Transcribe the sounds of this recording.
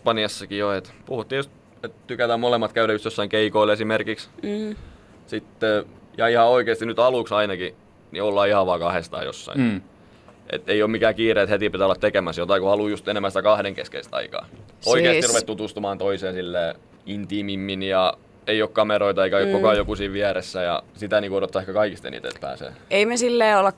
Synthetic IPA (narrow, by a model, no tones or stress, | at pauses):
pɑniɑsːɑkijoet̪puhut̪ːiːjost̪ | et̪t̪ykæt̪æmmolemːɑt̪kæyɾæjust̪josːɑiŋkeikoilesimerkiks | sit̪ːejɑihɑoikeːˑst̪inyt̪ɑluksɑinɑki | niolːɑːihɑʋʋɑːkɑhest̪ɑ̰ːjo̰sːɑ̰in | ʔḛt̪ːeioːmikæːkiːreːet̪het̪ipit̪æolːɑt̪t̪ekemæsjot̪ɑikuɑluːjust̪enemːænsi̥t̪ækɑhdeŋkḛskeist̪ɑ̰ikɑ̰ːoieːˑssiruʋet̪t̪ut̪ust̪umɑːnt̪oiseːsilːeː | int̪imimːinjɑ | eiokkɑmeɾoit̪ɑeikæokokɑjokusiːʋʋiæɾesːæjɑ̰sit̪æniːŋkuoɾot̪ːɑˑehkɑkɑikist̪ḛnḭːt̪ḛt̪pæ̰ːsḛːeimesilːeːolːɑk